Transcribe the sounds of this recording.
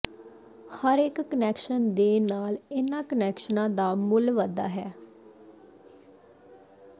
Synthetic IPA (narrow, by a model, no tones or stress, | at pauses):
həɾɪkːənɛːkʃənd̪eːnaːlɪnãːkənɛːkʃənãːd̪aːmʊlʋəd̪a̰ːɦɛː